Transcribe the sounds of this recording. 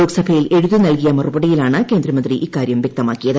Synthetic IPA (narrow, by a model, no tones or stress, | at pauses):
oːɡsɐbʰʱɐjile̞ɻuðunɐlkijɐmɐrubɐɽijilaːɳɨke̞ːnd̪rɐmɐnd̪riʔikːaːɾjɐmʋjɐk̚t̪ɐmaːkːijɐðɨ